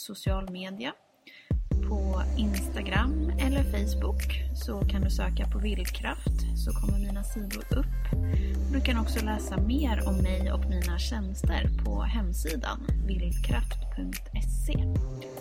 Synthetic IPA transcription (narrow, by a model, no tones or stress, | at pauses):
sʊsɪɑːlmeːd̪ɪa | pʰɔɪnst̪aɡɾamːɛlːəɾfɛjsbʊksɔkʰand̪ɵsøːkapʰɔvɪld̪kʰɾaft̪sɔkʰɔmːəɾmiːnasiːd̪ʊ̰ɾɵpːbɾʉ̟ːkanɔksɔlɛːsameːɾɔmːɛjɔ̰kmiːnaɕɛnst̪ə̰ɾpʰɔ̰ɦɛmːsiːd̪a̰nvɪld̪kʰɾaft̪pʰɵŋkt̪ʰɛseː